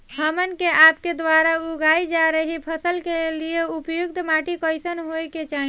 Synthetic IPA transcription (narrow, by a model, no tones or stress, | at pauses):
ɦəmənkeʔapked̪ʋaɾauɡaid͡ʒaɾəɦipʰəsəlkelijeupjuɡ̚d̪ʱmaʈikəɪsənɦojket͡ʃaɦi